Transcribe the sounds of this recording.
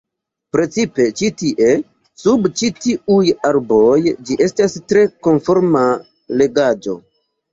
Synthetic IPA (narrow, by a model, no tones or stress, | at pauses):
pɾe̞t͡sipe̞t͡ʃitiʔe̞ | subt͡ʃitiujaɾbo̞jd͡ʒiʔe̞stastɾe̞ko̞nfo̞ɾma | le̞ɡad͡ʒo̞̰